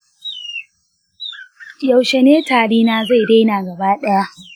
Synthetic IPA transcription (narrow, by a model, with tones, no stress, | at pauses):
ja˨wʃe˨neː˦taː˨ɽiː˦naː˦za˦˨jda˦jnaː˨ɡɐ˨baː˦ɗɛ˦ja˦